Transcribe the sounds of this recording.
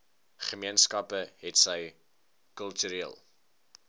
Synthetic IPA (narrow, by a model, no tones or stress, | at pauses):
χəmiənskɐpəɦɛtsəj | kœlˠtyɾiəlˠ